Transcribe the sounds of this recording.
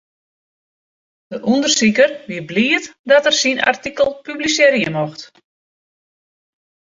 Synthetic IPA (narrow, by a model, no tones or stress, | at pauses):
d̥əʔundərsikərʋiəbliətdɔtərsina̰rtikəlˠpyblisɪɾjəmoxt